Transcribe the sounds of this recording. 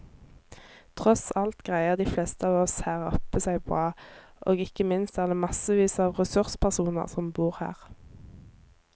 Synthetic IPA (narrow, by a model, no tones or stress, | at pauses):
t̪ʰʁɔsɑlt̪ɡ̥ʁæɪəʁd̪iːflɛst̪əɑːʋɔshæːʁɔ̰pəsæɪbʁɑː | ʔoːɡɪkəmɪnst̪ɑːld̪əmɑsəʋiːsəɑːʋʁɛsʉʁspʰæʁsuːnə̰ʁsɔmbuːʁhæ̰ːʁ